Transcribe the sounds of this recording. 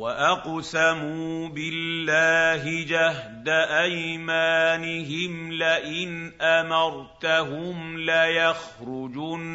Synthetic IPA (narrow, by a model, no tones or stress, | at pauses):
waʔɑqsamuːbɪlːaːɦɪd͡ʒaɦd̪aʔajmaːnɪɦɪmlaʔɪnʔamɑɾˤt̪aɦʊmlajaxɾʊd͡ʒuːn